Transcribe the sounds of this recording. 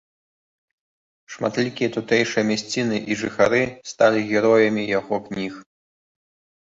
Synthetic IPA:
ʂma̰t̪lʲikʲijɐt̪ut̪ɛjʂɨjɐmʲɛsʲt͡sʲinɨʔiʐɨxaɾɨst̪alʲiɣʲɛɾɔjɐmʲijaɣɔknʲix

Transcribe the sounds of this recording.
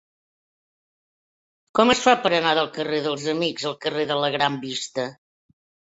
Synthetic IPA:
kɔməsfapəɾənaðəlˠkəreðəlˠzəmikzəlˠkəreðələɣɾambist̪ə

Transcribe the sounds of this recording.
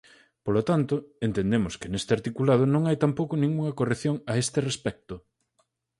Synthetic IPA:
polot̪ant̪ʊent̪end̪emʊskɪnest̪eaɾt̪ikulað̞ʊnõŋajt̪ampowkonĩŋɡuŋɐkoreθjoŋaest̪ɪrespɛk̚t̪ʊ

